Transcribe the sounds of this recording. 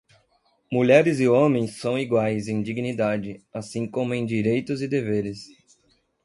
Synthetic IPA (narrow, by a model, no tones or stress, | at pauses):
muʎɛɾɪzɪõmẽj̃sːɐ̃w̃iɡwajzẽj̃d͡ʒiɡnid̪ad͡ʒɪasĩŋkõmʊẽj̃d͡ʒiɾejt̪ʊzɪd̪eveɾɪs